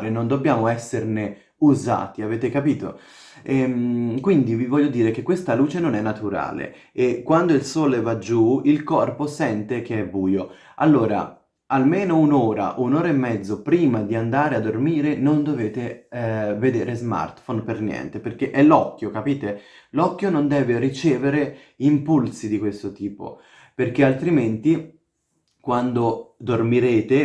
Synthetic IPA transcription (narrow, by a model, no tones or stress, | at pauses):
ɾenond̪obːjaːmoɛsːerne | uza̰ːt̪iaveːt̪ekapiːt̪o̰ | ɛmkwind̪ivivɔʎːod̪iːɾek̟ekːwest̪aluːt͡ʃenonɛnːat̪uɾa̰ːlḛ | ekːwand̪oilsoːlevad͡ʒuilkɔrposɛnt̪ek̟eɛbːuːjo | alːoːɾa̰ | almeːnounoːɾa̰ʔunoːɾaemːɛd̪zːopɾiːmad̪iand̪aːɾead̪ːormiːɾenond̪oveːt̪e | ved̪eːɾezma̰rt̪fonpernjɛ̰nt̪eperk̟eʔɛlɔkːjokapiːt̪e | lɔkːjonond̪ɛːverit͡ʃɛːveɾe | impulsid̪ikwest̪ot̪iːpo̰ | perk̟ealt̪ɾiment̪i | kwand̪od̪ormiɾeːt̪e